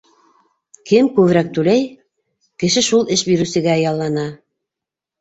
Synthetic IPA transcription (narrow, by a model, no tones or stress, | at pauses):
kɘmkʉβ̆ɾæk̚t̪ʉlæj | kɘ̆ʃɘʃulˠɘʃbiɾʉsɘ̆ɡæɑjɑlˠːɑnɑ